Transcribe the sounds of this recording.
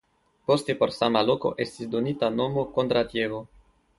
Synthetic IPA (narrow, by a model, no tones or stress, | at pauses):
post̪epoɾsamaloko̞̰ʔest̪isd̪onit̪anomokont̪ɾat̪jevo